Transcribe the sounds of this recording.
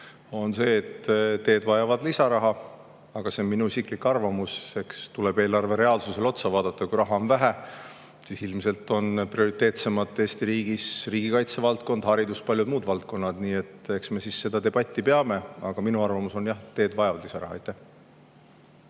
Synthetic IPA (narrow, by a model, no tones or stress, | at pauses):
o̞nse̞ːt̪t̪e̞ːd̪vɑjɑvɑd̪lisɑɾɑɦɑ | ɑɡ̥ɑse̞onminuisiklikːɑrvɑmuse̞kst̪ule̞b̥e̞ːlɑrve̞ɾe̞ɑlsuse̞lo̞t̪sɑvɑːd̪̥ɑt̪ːˑɑkujɾɑɦɑonvæɦæ | sisilmse̞lt̪ːˑo̞nprio̞ɾit̪e̞ːt̪se̞mɑt̪ːˑe̞ːst̪iɾiːɡ̥isriːɡ̥ikɑjt̪sevɑlt̪̚ko̞nd̪̥hɑɾid̪uspɑlʲjud̪̚muːd̪vɑlt̪̚ko̞nːɑd̪̥niːe̞t̪ːe̞ksme̞sisːe̞d̪̥ɑd̪e̞b̥ɑt̪ʲːˑipe̞ɑme̞ɑɡ̥ɑminuɑrvɑmuso̞njɑht̪e̞ːd̪̥vɑjɑvɑd̪̥lisɑɾɑhɑ̰ejt̪ːˑæh